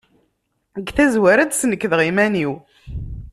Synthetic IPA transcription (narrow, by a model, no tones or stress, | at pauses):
əɡθæzwæɾæd̪snəkːəðʁimæniw